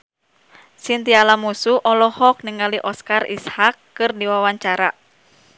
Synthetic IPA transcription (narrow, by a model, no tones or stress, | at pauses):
sint̪ialamusuʔɔlɔhɔk̚niŋaliʔɔskarḭshakːɨrdiwawaɲt͡ʃaɾa